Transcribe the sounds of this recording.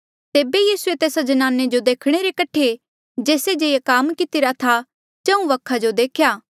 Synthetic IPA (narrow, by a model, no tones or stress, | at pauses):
t̪eːbejiːsuet̪eːsad͡ʒɐnaːnːed͡ʒod̪eːkʰɽ̃eɾekɐʈʰe | d͡ʒeːsed͡ʒeːjakaːmkɪt̪ɪɾat̪ʰa | d͡ʒɐ̃ũʋɐkʰad͡ʒod̪eːkʰjaː